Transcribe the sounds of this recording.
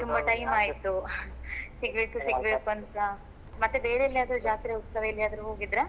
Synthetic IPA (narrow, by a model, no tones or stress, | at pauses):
t̪umbɐʈɐjmaːjt̪u | siɡbeːkusiɡbeːkuɐnt̪ɐ | mɐt̪ːube̞ːɾeɐlːiaːd̪ɐɾud͡ʒaːt̪iɾeupsɐʋɐɐlːiaːd̪ɐɾuɦoːɡid̪ɾe